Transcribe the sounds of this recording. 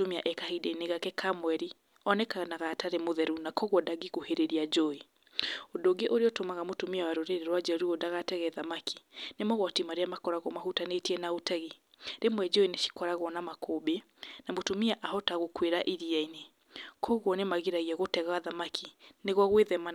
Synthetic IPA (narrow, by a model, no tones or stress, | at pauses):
tomia̰ʔɛkahedɛineɣakɛkʰamwɛɾi | ɔnɛkanaɣaːtaɾemoðɛɾunakɔɣwɔdaɡiɣoheɾeɾiad͡ʒoe | odoɡeʔoɾeɔtomaɣamotomiawaɾoɾeɾeɾwad͡ʒɛoɾiodaɣatɛɣɛðamakʰi̥nemɔɣwɔtimaɾeamakɔɾaɣɔmahutanetiɛnaotɛɣeɾemwɛd͡ʒoineʃi̥kɔɾaɣɔnamakobe | namotomiaʔahɔtaɣokweɾaʔiɾiaine | kʰɔɣwɔnemaɣiɾaɣiɛɣotɛɣaaðamakʰineɣwɔɣweðɛma